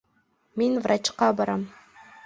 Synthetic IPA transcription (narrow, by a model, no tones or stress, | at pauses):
menvɾat͡ʃqɑbɑɾɑm